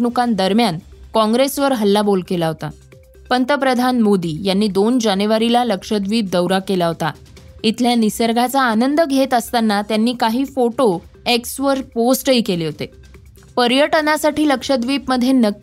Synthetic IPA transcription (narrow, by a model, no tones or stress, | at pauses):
nukãnd̪əɾmjankɔ̃ŋɡɾesʋəɾɦəlːabolkelaɦot̪a̰ | pənt̪əpɾəd̪ʱanmod̪iːjanːiːd̪ond͡ʑanuʋaɾilaləkʂəd̪ʋiːp̚d̪əwɾakelaɦot̪a̰ | it̪ʰljanisəɾɡʱat͡saːnənd̪əɡʱet̪əst̪anːat̪janːiːkaɦiːfoʈo | eksʋəɾposʈəɦiːkeleɦot̪e | pəɾjəʈnasaʈiːləkʂəd̪ʋip̚məd̪ʱːjenə